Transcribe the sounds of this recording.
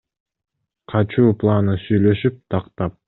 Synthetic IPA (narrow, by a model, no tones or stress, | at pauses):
qʰɑt͡ʃuːplˠanɯsyjlø̞ʃyp̚t̪ʰɑqt̪ɑp̚